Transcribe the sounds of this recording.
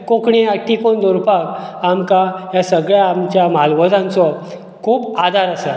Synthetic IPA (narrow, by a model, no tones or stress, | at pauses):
kokɳeaʈikond̪oɾpakamkajasəɡɭjaamt͡ɕjamalʋəd͡z̪ʱãnt͡sɔ | kʰuːpad̪ʱaɾəsə